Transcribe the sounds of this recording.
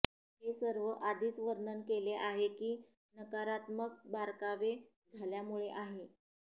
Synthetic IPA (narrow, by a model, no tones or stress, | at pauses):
ɦesəɾʋəʔad̪ʱiːt͡sʋəɾnənkeleʔaɦekiː | nəkaɾat̪mək̚baɾkaʋe | d͡zʱaljamuɭeʔaɦe